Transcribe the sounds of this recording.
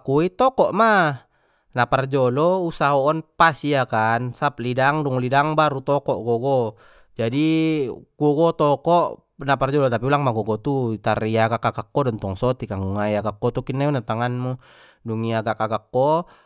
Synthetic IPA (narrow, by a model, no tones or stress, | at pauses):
kuit̪ɔkɔʔma | napard͡ʒɔlɔusaɦɔːnpasiakansap̚lidaŋduŋlidaŋbaɾut̪ɔkɔʔɡɔɡɔ | d͡ʒadi | ɡ̥ɔɡɔt̪ɔkɔʔ | napard͡ʒɔlɔt̪apiulaŋmaɡɔɡɔt̪ut̪arijaɡakakakːɔdɔnt̪ɔŋsɔt̪ikaŋɡuŋajakakːɔt̪ukinːaiɔnat̪aŋanmu | duŋiaɡakakakːɔ